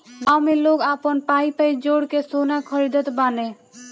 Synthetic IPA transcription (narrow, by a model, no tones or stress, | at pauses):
awmeloːɡaːpənpaːipəid͡ʒoːɽkesoːnakʰəɾid̪ət̪baːnẽ